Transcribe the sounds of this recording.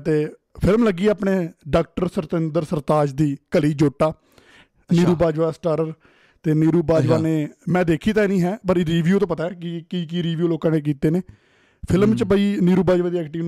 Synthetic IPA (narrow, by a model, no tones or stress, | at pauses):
t̪eː | pʰɪlmləɡiːaːpneːɖaːk̚ʈəɾsəɾt̪ənd̪əɾsəɾt̪aːd͡ʒd̪iːkəliːd͡ʒoːʈːaː | niːɾuːbaːd͡ʒʋaːsʈaɾəɾ | t̪eːniːɾuːbaːd͡ʒʋaːneːmɛ̃ːd̪eːkʰiːt̪aːinĩːɦɛːpəɾɾiːʋjuːt̪õːpət̪aːɛːkikiːk̬iɾiːʋjuːloːkãːneːk̬iːt̪eːneː | pʰɪlmt͡ʃbəiːniːɾuːbaːd͡ʒʋaːd̪iːɛːkʈiː